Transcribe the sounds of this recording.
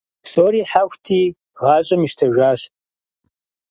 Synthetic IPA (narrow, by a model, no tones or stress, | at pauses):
soːɾiːħaxʷtʰiː | ʁɑːɕʼɐmiʃtʰɐʒaːɕtʼ